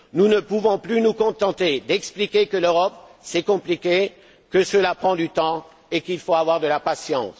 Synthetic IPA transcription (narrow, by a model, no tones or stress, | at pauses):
nunəpuvɔ̃plynukɔ̃t̪ɑ̃t̪ed̪ɛksplikʲekəløʁɔp̚sɛkɔ̃plikʲe | kəsəlapχɑ̃d̪yt̪ɑ̃ | ekilfoavwaʁd̪əlapasjɑ̃s